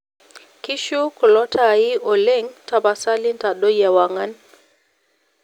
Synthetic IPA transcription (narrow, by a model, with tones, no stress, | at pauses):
ki˦ʃu˦kɔ˨lɔ˦tʰaː˨i˦ɔ˨lɛ˦ŋta˨ba˨sa˦li˦nta˨ɗɔ˦ja˨wa˨ŋa˦n